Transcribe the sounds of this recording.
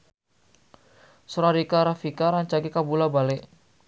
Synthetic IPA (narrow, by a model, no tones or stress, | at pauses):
sɔɾaɾikaɾafikaɾaɲt͡ʃaɡikabulabalɛʔ